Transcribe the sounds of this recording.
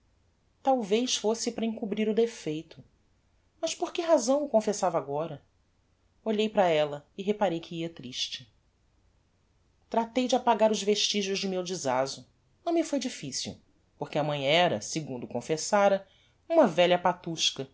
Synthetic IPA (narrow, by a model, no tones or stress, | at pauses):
t̪awvejʃfosɪpɾɐĩŋkubɾiɾʊd̪efejt̪ʊ | mɐʃpoɾkɪɦazɐ̃w̃ʊkõfesavaɡɔɾɐ | oʎejpɾɐɛlɐɪɦepaɾejkʰɪiɐt̪ɾiʃt͡ʃɪ̥ | t̪ɾat̪ejd͡ʒɪapaɡaɾʊzveʃt͡ʃiʒʊʒd͡ʒɪmewd͡ʒizazʊ | nɐ̃w̃mɪfojd͡ʒifisḭw | poɾkɪɐmɐ̃j̃ɛɾɐ̰sɪɡũnd̪ʊkõfesaɾɐ | ũmɐvɛʎɐpat̪uʃkɐ